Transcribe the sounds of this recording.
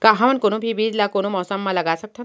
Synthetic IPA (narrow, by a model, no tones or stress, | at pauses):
kaɦãmɐnkonobʱibiːd͡ʒlakoːnomɔːsəmːãlɐɡaːsɐk̚t̪ʰa